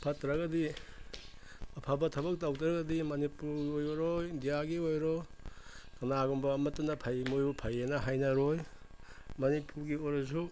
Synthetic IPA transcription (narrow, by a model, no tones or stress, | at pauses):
pʰɐtɾɐɡɐdi | ɐpʰabɐtʰɐbɐk̚tawtɾɐɡɐdimɐnipuɾɡojoɾoindijaɡiojɾo | kʰɐnaɡɔmbɐːmɐtɐnɐpʰajmojupʰajenɐɦajnɐɾoj | mɐnipuɾɡioɾozu